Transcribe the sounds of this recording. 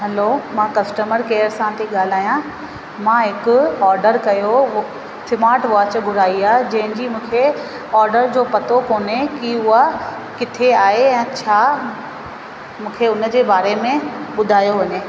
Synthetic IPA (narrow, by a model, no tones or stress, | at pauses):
ɦɐlomãkɐsʈəməɾkeːəɾsãt̪ʰiɠaːl̤aːjã | mãːɦɪkʊɔːɾɖəɾkɐjo | sɪmaːɾʈʋaːt͡ɕbʱʊɾaːiaːd͡ʑɐ̃ɦɪ̃ɲd͡ʑimũːkʰe | ɔːɾɖəɾd͡ʑoːpɐt̪okoːnekiʊɦa | kɪt̪ʰeaːɦeɛ̃ːt͡ɕʰaː | mũːkʰeʊn̆d͡ʑeːbaːɾemẽɓʊd̪ʱaːjoʋɐɲeː